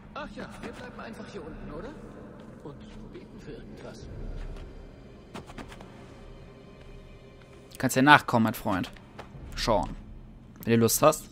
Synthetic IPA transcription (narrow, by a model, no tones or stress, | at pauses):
ʔaχjaːviːɐblaɪbm̩ʔaɪnfaχhiːɐʔʊntn̩ʔoːɾɐ | ʔʊntobeːtn̩fyːɐʔɪɐɡ̚ŋ̩tv̥as | kʰanstd̥iːɐnaːχkʰɔməmatfʁ̥ɔʏnt | ʃɔʊn | vɛnduːlʊsthast